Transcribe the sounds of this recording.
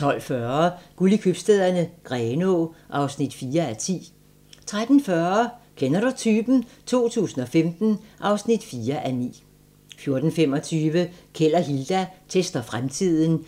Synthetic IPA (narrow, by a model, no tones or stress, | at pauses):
t͡sʰɒ̽l̰fɶːɐɡ̥ulikʰøb̥sd̥eð̰ˠɐnəɡ̥ʁɛːnoʔɑ̈ʊsnid̥fiːɐæt͡sʰḭː | t͡sʰʁad̥n̩fɶɐkʰenɐɾ̥ut͡sʰyːb̥n̩t͡sʰo̝̰ːt͡sʰṵːsn̩ɒ̽femd̥n̩ʔɑ̈ʊsnid̥fiːɐʔænḭː | fjo̝ɐd̥n̩fem̰ɒ̽t͡sʰyːʋəkʰel̰ɐɦild̥æt͡sʰesd̥ɐfʁamt͡sʰið̰ˠn̩